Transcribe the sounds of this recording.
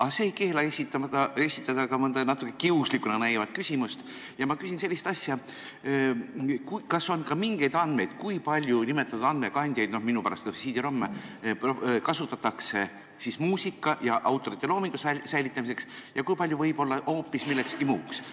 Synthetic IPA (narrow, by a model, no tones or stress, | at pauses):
ɑseejke̞ːlɑesit̪ːɑɑe̞sit̪ːˑɑd̪ɑkɑmɤnd̪̥enɑt̪ːˑukːˑekiuslikunɑnæjvɑd̪̥kysʲimust̪ | jɑmɑkysʲinse̞lʲːist̪ɑsʲjɑ | kukɑso̞nkɑmiŋɡ̥e̞jd̪ɑnd̪me̞jd̪̥kujpɑlʲjunime̞t̪ːˑɑt̪ːud̪ɑnd̪me̞kɑnʲd̪̥ʲjɑjd̪̥no̞hminupæɾɑ̰st̪kɑfisiːd̪̥ʲiɾo̞mːepokɑsut̪ːˑɑt̪ːɑkse̞ | sismuːsʲikːˑɑjɑʔɑwt̪ːˑo̞ɾit̪ːˑe̞lo̞ːmiŋɡ̥ussæjlit̪ˑːɑmise̞ksjɑkujpɑlʲjuvɤjb̥o̞lːɑʔo̞ːpːˑismilːe̞kskimuːks